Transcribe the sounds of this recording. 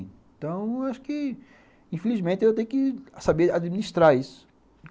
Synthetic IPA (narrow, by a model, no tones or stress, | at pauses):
t̪ɐ̃w̃aʃʊ̥kɪ | ĩfelizmẽnt̪ɪewt̪ẽjʊkɪsabead͡ʒ̪iminiʃt̪ɾaisʊ̥